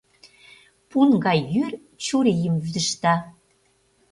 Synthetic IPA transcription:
punɡɑjjyr | t͡ɕuɾejəmvyd̪ə̆ʃt̪ɑ

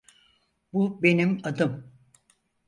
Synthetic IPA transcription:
bube̞nimad̪ɯm

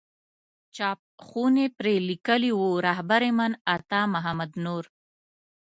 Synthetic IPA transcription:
t͡ʃɑp̚xunepɾelikəliwuɾaɦbaɾemanat̪ɑmaɦamad̪noɾ

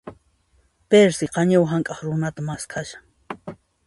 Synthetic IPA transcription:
peɾsɪqɑɲawɦaŋkʼɑχɾʊnat̪amaskʰaʃḁŋ

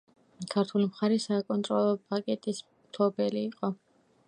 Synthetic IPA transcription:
kʰaɾt̪ʰulimχaɾɛsakʼɔnt̪ʼɾɔlˠɔpʼakʼɛt̪ʼis | mt̪ʰɔbɛliːqʼɔ

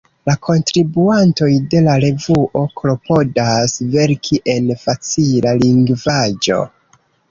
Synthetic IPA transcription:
lakʰo̞ntɾibuanto̞jde̞laɾe̞vuʔo̞klo̞po̞dasve̞ɾkʰiʔe̞nfat͡silaliŋɡvad͡ʒo̞̰

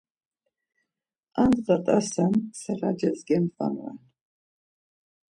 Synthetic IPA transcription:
andqʼatʼasansarad͡ʒazɡʲamfʼa̰nʕa̰

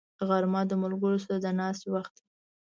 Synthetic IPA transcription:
ɣaɾmɑd̪əmʊlɡəɾos̬aɾad̪ənɑst̪waxt̪̚i

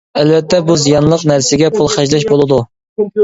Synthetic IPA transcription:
ɛlvɛt̪ʰːɛbuzijɑnlˠəqnæɾsɪɡʲɛpʰulˠχæʒlɛʃ̬bolˠɨd̪u

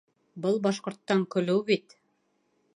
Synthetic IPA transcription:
bɤlˠbɑʃqŏɾt̪ːɑŋkɵ̆lɘwbit̪

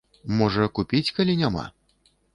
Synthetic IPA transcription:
mɔʐɐkupʲit͡sʲkalʲinʲama̰

